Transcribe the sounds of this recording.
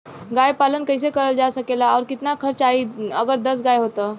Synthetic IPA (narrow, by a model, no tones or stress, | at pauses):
ɡajpalənkəjs̬ekəɾəld͡ʒasəkelaɔɾkit̪nakʰəɾt͡ʃaiəɡəɾd̪əs̬ɡajɦot̪ə